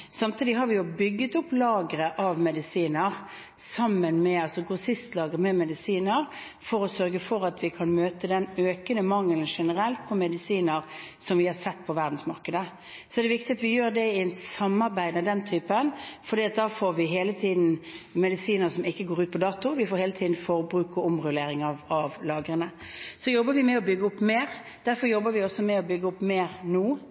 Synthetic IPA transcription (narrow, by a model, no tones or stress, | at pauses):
sɑmt̪ʰiːd̪ɪɦɑɾʋɪjʊbʏɡːət̪ʊpːlɑːɡəɾəʔɑʋmɛd̪ɪsiːnəɾ | sɑmːənmɛɑlsɔɡʊsɪst̪lɑːɡɾəmɛmɛd̪ɪsiːnəɾ | fɔɾɔsœɾɡəfɔɾɑt̪ʋɪkʰɑnmøːt̪əd̪ɛnøːkənəmɑŋːlnʂɛnəɾɛlt̪̚pʰɔmɛd̪ɪsiːnəɾsɔmʋɪhɑɾsɛt̪ːpʰɔʋæʁd̪n̩smɑɾkəd̪ə | sɔɛd̪ɛʋɪkt̪ɪɡɑt̪ʋɪjøːɾd̪ɛɪɛnsɑmːɑɾbæɪd̪mɛd̪ɛnt̪ʰyːpənfɔɾd̪iːɑt̪̚d̪ɑːfoːɾʋɪɦeːlət̪ʰiːd̪n̩mɛd̪ɪsiːnəɾsɔmɪkːəɡoːɾʉːt̪̚pʰɔd̪ɑːt̪ʊʋɪfoɾheːlət̪ʰiːd̪n̩fɔɾbɾʉːkɔʊmʁʉleːɾɪŋɑɑʋlɑːɡəɾənə | sɔjɔbːəɾʋɪmɛɔbʏɡːəʊpːmeːɾ | d̪̥æɾfɔɾjɔbːəɾʋɪɔsɔmɛɔbʏɡːəʊpːmeːɾnuː